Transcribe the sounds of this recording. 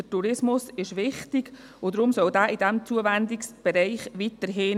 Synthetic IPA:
ətuɾɪsmʊsɪʃʋɪχtɪɡ | ʊd̪ɾʊmsœldæːʔɪdɛmt͡suəvɛnd̪ɪksb̥ɛɾɛɪχʋit̪əɾɦɪ

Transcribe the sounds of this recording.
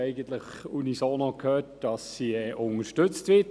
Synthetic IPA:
ɛɪɡən̩t̪ləχunisoːnɔkʰhøːt̚d̥ɑsːiɛʔʊŋəʃtɵt͡stʋɪt

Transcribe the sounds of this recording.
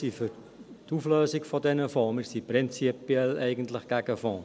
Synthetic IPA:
sifʏɾ | tufløːzɪkfɔdɛnəfɔːməsipɾɪnt͡sipiɛlɛɪɡən̩tləχɡ̥æɡəfɔ̃ː

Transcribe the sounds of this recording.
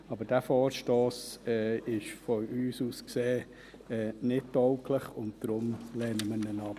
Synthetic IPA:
ɑbəɾd̥æfɔːɾʃtoːsɛːɪʃfɔyːsuːskseː | ɛːnɪt̚dɔʊkʰləχʊ̰nt̚d̥ɾʊmleːnəmənənɑp

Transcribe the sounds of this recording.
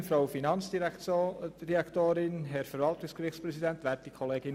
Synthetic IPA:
fɾaʊfinɑnt͡sd̥iɾɛkɾɛɑkt̪oːɾɪnɦɛɾfɛɾvɑltʊskɾɪxtspɾɛsidɛnt̪ʋæːɾtikʰɔleːɡ̥ɪn

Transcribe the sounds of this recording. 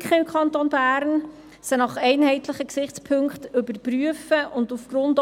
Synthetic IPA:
kχəɪmkʰɑnt̪onbæːɾn | sənɑχɛɪnɦɛɪtləχəksɪχt͡spʰɵŋkχtʏbəɾpryəfəʔʊndufɡ̥ɾʊnd

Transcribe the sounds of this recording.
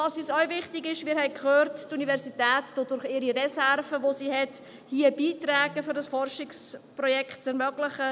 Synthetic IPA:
ɑsyːsœwvɪχtɪɡɪʃmɪːɾhɛɪkχøːrttunivɛɾsitɛːtd̥oːd̥ʊɾχɪːɾiɾɛsɛɾvəʋosihɛt | hiəbiːtrɛːɡəfʏɾdɑsfɔrʃɪksprɔjɛkʰt̚t͡sɛɾmœɡlɪχə

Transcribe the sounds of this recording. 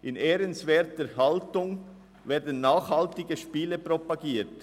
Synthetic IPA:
ʔɪneːɾənsvɛːtəhaltʊŋ | vɛːɐdən̩ːaːχhaltɪɡəʃpiːləpɾopaɡiːt

